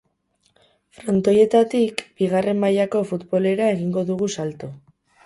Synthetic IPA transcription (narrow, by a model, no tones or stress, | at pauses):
fɾo̞nt̪o̞je̞t̪at̪ikbiɣare̞mːajako̞fut̪bo̞le̞ɾae̞ɣiŋɡo̞ðuɣ̞usalt̪u